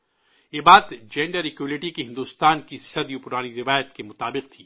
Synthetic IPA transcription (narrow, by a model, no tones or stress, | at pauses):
jeːbaːt̪d͡ʒɛ̃ɳɖəɾɪkelɪʈikiɦɪ̃nd̪uːst̪aːnkisɐd̪jupʊɾaːniɾɪʋaːjət̪kemʊt̪aːbɪq̚t̪ʰiː